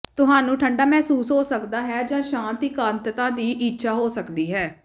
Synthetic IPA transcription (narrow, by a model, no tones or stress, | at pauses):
t̪ʊɦaːnũːʈʰəɳɖaːmɛːsuːsɦoːsəkd̪aːɦɛːd͡ʒãːʃãːnt̪iːkãːnt̪t̪ãːd̪iːʔiːtːʃʰaːɦoːsəkd̪iːɦɛː